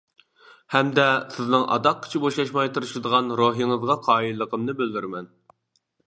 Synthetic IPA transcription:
hɛmd̪ɛsɪznɨŋʔɑ̰d̪ɑq̚kʰʲːɪ̥t͡ʃʰiboʃɑʃmɑjt̪ʰɨɾɨʃd̪əʁɑnɾoɦiŋəzʁɑqʰɑːilːəqʰəmnɨbɪld̪yɾmɛn

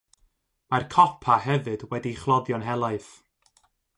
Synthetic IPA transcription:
markʰɔpʰahɛvɨdwɛdiχlˠɔðjɔnɦɛlˠaɨθ

